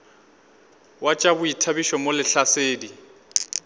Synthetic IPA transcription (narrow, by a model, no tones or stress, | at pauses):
wat͡ʃʼabʊitʰabiʃɔmolɪɬaseːdi